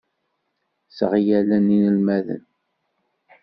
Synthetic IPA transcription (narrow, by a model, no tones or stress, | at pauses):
sʁjælæninəlmæðə̰n